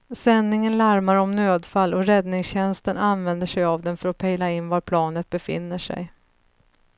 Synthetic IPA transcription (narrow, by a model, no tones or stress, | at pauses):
sɛnːɪŋənlaɾmaɾɔmnøːd̪falːɔɾɛd̪nɪŋsɕɛnst̪ənanvɛnd̪əʂɛjavd̪ɛnfœɾɔpʰɛjlaɪnːvaɾpʰlɑːnət̪̚bɛfɪ̰nːəʂɛ̰j